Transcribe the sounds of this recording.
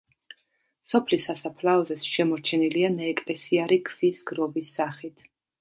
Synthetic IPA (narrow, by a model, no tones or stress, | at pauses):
sɔpʰlisasapʰlaɔzɛsʃɛmɔɾt͡ʃʰɛnilianaːkʼlɛsiaɾikʰv̥isɡɾɔbisːaχit̪ʰ